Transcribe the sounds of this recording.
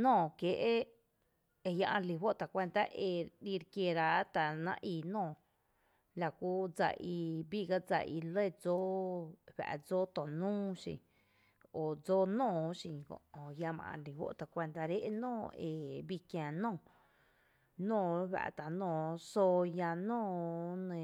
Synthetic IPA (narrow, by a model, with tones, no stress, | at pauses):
nɔ̃ː˦˧˨ke˨ʔe˦ | e˧ja˧ʔã˧li˧wo˦ʔt̪a˨kʷe˧nt̪a˧ʔe˧li˧ɾkje˧ɾa˧˦t̪a˨nã̰˧ʔiː˧˨nɔ̃ː˧˨ | la˨kʷu˦d͡za̰˧˨ʔi˧bi˦˨ɡa˦d͡za̰˧˨ʔi˧lə˦˨d͡zo˦ɸa̰˨ʔd͡zoː˦t̪õ˨nũː˦ʃḭ̃˧˨ | o˨d͡zoː˦nɔ̃ː˧˨ʃĩ˧˨kõ̰˨o˨ja˧mã̰˧˨ʔã̰˧˨li˨wo̰˦ʔt̪a˨kʷe˧nd̪a˧ɾe˦ʔnɔ̃ː˦˨e˨bi˧kjãː˨nɔ̃ː˧˨ | nõː˧˨wa̰˧ʔt̪a˨nõː˧˨so˧ja˧nɔ̃ː˦˨nẽ˧˨